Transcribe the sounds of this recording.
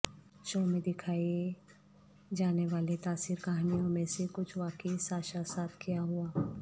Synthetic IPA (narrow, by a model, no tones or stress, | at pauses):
ʃoːmẽd̪ɪkʰaːi | d͡ʒaːneʋaːlet̪aːsiːɾkaɦanijõmẽsekʊt͡ʃʰʋaːkəisaːʃaːsaːt̪ʰkijaɦuaː